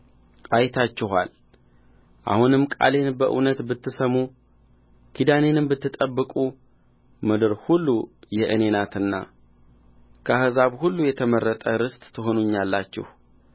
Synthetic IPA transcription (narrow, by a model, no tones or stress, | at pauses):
ʔajt̪ʰat͡ʃːɪɦa̰l | ʔa̰hunɨmkʼa̰le̞nbəʔɨ̰nət̪bɨt̪ːɨsəmu | kʰid̪ane̞nɨmbɨt̪ːɨt̪ʼəbːɨkʼu | mɨd̪ɨɾhulːujɛʔɨne̞nat̪ɨnːa̰ | kʰəahɨzaβhulːujɛt̪ʰəmərːət̪ʼəɾɨst̪ʼt̪ʰːɨɦo̞nuɲːalːat͡ʃːɪ̰h